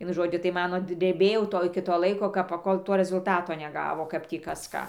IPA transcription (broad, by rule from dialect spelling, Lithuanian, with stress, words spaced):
ˈʋʲiɛnʊ ˈʒoːd͡ʒʲʊ tɐɪ ˈmɑːnoː dʲrʲɛˈbʲeːjɛʊ ˈtoː ˈɪkʲɪ ˈtoː ˈlˠɐɪkoː ˈkɐp pɐˈkoːlˠ ˈtoː rʲɛzʊlˠˈtɑːtoː nʲɛˈɡɑːʋoː ˈkɐp tʲiː ˈkɐs ˈkɑː